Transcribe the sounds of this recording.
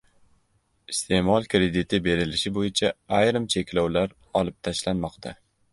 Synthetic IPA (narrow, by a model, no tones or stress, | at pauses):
ɪst̪ʰe̞mɒlˠkɾe̞d̪ɪt̪ʰɪbe̞ɾɪlɪʃɪbojɪt͡ʃʰaajɾɪmt͡ʃʰe̞kʲʰlɒwlaɾ | ɒlˠɪp̚t̪ʰaʃlanmɒqt̪ʰa